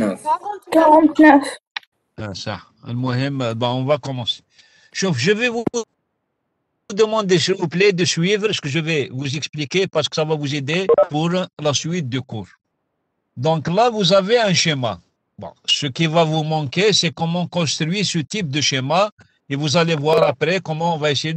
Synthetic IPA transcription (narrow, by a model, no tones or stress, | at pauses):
kaʁɑ̃t̪nœf | sa̰ | ləmɔhɛmbɔ̃ɔ̃vakɔmɑ̃se̥ | ʃufʒəvɛvu | ud̪əmɑ̃d̪esilvuplɛd̪əsɥivʁsə̥kəʒəvɛvuzɛksplikepaʁsə̥kə̥savavuzed̪epuʁlasɥit̪̚d̪əkuɾ | d̪ɔ̃klavuzaveɛ̃ʃema | bɔ̰̃səkivavumɑ̃kesɛkɔmɑ̃kɔ̃st̪ʁɥisət̪ip̚d̪əʃema | evuzalevwaɾapɾɛkɔmɑ̃ɔ̃vaeseje